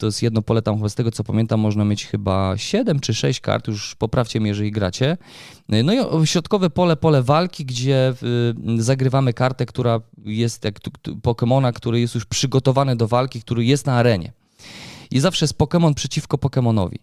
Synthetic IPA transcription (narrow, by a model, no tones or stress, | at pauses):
t̪ɔjɛsjɛd̪nɔpɔlɛt̪amxɔbast̪ɛɡɔt̪sɔpamʲjɛnt̪amːɔʐnamʲjet͡ɕxɘba̰ɕɛd̪ɛmt͡ʂɘʂɛɕt͡ɕka̰ɾt̪juʂpɔpɾaft͡ɕɛmijɛʐɛlʲiɡɾa̰t͡ɕɛ | nɔiʔɔɕɾɔt̪kɔvɛpɔlɛpɔlɛvalkʲiɡd͡ʑɛ | zaɡɾɘvamɘkaɾt̪ɛkt̪uɾajɛst̪jak̪pɔkɛmɔnakt̪uɾɘjɛst̪juʂpʂɘɡɔt̪ɔvanɘd̪ɔvalkʲik̚t̪uɾɘjɛst̪naːɾɛɲɛ̰ | izafʂɛjɛst̪̚pɔkɛmɔnpʂɛt͡ɕifkɔpɔkɛmɔnɔ̰vʲḭ